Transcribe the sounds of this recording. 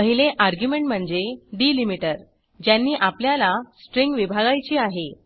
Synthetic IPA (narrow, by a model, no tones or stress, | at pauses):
əɦileʔaɾɡjumeɳʈm̤əɳd͡zeɖiːlimiʈəɾ | d͡ʑjanːiːʔapljalasʈɾiŋɡʋibʱaɡajt͡ɕiːaɦe